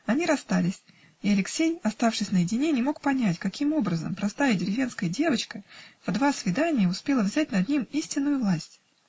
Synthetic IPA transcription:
ɐnʲiɾɐst̪alʲɪsʲ | ɪɐlʲɪksʲejɐst̪afʂɨsʲnəjɪdʲɪnʲenʲɪmo̞k̚pɐnʲætʲkɐkʲʰimo̞bɾəzə̰mpɾɐst̪ajɪdʲɪɾʲɪvʲe̞nskəjədʲe̞vət͡ɕkəvd̪vasvʲɪd̪anʲɪjəʊspʲe̞lˠəvzʲætʲnɐd̪nʲimisʲtʲɪnːʊjʊvlˠasʲtʲ

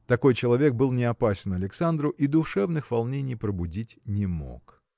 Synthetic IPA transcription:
t̪ɐko̞jt͡ɕɪlˠɐvʲe̞k̚bɨlˠnʲɪɐpasʲɪnɐlʲɪksand̪ɾʊʔid̪ʊʂɛvnɨxvɐlˠnʲenʲɪjpɾəbʊdʲitʲnʲɪmo̰k

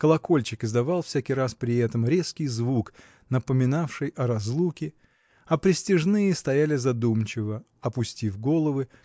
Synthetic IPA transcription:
kəlˠɐko̞lʲt͡ɕɪkɨzd̪ɐvɑlˠfsʲækʲijɾaspɾʲɪɛt̪əmɾʲe̞skʲɪjzvuk | nəpəmʲɪnafʂɨjʔɐɾɐzlˠukʲɪ | ɐpɾʲɪsʲtʲɪʐnɨjəst̪ɐjælʲɪzɐd̪umt͡ɕɪvə | ɐpʊsʲtʲifɡo̞lˠəvɨ

